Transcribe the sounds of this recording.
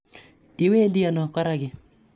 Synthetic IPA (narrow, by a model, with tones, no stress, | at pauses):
i˨we˦di˦a˨nɔ˨kɔ˦ɾa˦ɡɪ˨